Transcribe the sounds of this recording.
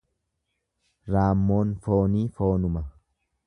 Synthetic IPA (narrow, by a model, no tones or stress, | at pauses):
ɾaːmːo̞ːnfo̞ːniːfo̞ːnʊmɐ